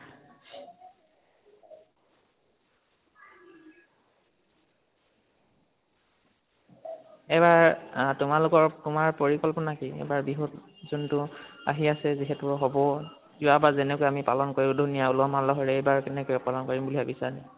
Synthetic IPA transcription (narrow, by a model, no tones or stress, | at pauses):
ɛbaɹtʊmalʊkɔɹtʊmaɹpoɹikɔlpɔnakiɛ̰baɹbiɦɔt | zɔntʊa̰ɦiasɛziɦɛtʊɦɔbɔ | zʊwabazɛnɛkɔjamipalɔnkoɹiʊdʱunijaulɔmalɔɦɔɹɛɛjbaɹkɛnɛkojɔpalɔnkoɹimbuliabisaɹi